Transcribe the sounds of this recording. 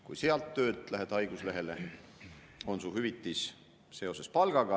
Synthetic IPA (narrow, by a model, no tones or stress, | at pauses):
kujseɑlt̪ːø̞ːt̪ˑlæɦed̪̥ɑjɡ̥usle̞ɦe̞le̞ | o̞nsuɦyvit̪ˑːis | se̞o̞se̞spɑlɡ̥ɑɡ̥ɑ